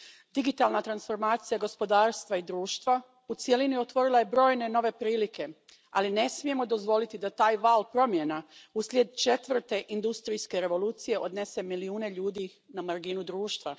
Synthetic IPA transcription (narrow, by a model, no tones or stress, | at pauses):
d̪iɡit̪alˠnat̪ɾansfo̞ɾmaːt̪sijaɡo̞spo̞d̪aːɾst̪ʋaid̪ɾuːʃt̪ʋa | ut̪sjelinio̞t̪ʋo̞ɾilaje̞bɾo̞ːjneno̞ʋe̞pɾiːlikʰe̞ | aline̞smije̞mod̪o̞zʋo̞lit̪id̪at̪aːjʋaːlˠpɾo̞mjenauslʲjed̪̚t͡ʃe̞t̪ʋr̩t̪e̞ʔind̪ust̪ɾijske̞ɾe̞ʋo̞lˠuːt̪sije̞ʔo̞d̪ne̞se̞miliuːne̞ʎuːd̪i | namaɾɡinud̪ɾuːʃt̪ʋa